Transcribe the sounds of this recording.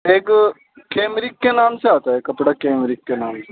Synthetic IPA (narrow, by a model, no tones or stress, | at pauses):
ek | keːmɾikːenaːmseaːt̪aekəpɽaːkeːmɾɪkːenaːmse